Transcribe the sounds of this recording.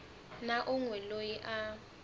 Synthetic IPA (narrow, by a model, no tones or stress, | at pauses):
naʔʊŋwɛlojiʔa